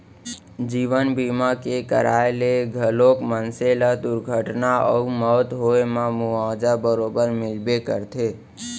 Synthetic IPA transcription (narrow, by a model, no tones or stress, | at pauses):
d͡ʒiːʋənbiːmakekə̰ɾaːeleɡʱəloːkmənselad̪ʊɾɡʱəʈnaɔ̰umɔːt̪ɦoemãmʊaːd͡ʒabəɾoːbəɾmɪlbekə̰ɾt̪ʰeː